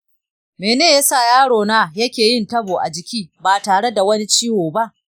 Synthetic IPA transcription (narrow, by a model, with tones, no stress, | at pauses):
meː˨neː˦˨ja˦sa˦˨jaː˦ɽoː˨naː˦jɐ˦kʲeː˨jɪ˦ntɐ˦boː˨ʔa̰˨d͡ʒɪ˨kʲiː˦baː˨taː˨ɽe˦da˨wɐ˦ni˦t͡ʃiː˦woː˨ba˦ʔ